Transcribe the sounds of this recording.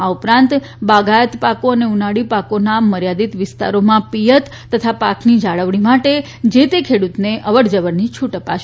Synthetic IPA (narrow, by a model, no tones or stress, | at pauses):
aupɾãnt̪ | baɡajət̪pakoəneunaɽipakonaməɾjad̪it̪ʋɪst̪a̰ɾomãpijət̪ːət̪ʰapaknid͡ʒaɭəʋɽ̃imaʈe | d͡ʒet̪ekʰeɽut̪neʔəʋəɽd͡ʒəʋənnit͡ʃʰuʈəpa̰ʃe